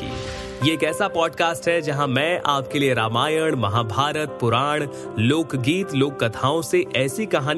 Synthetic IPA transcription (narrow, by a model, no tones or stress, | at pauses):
ḭː | jeeːkɛːsapɔːɖkaːsʈɦɛd͡ʒɐɦãmɛ̃ʔaːp̚kelieɾaːmaːjəɽ̃mɐɦaːbʱaːɾət̪̚pʊɾaːɽ̃ | loːkɡiːt̪loːkːɐt̪ʰaːõseʔɛːsikɐɦaːn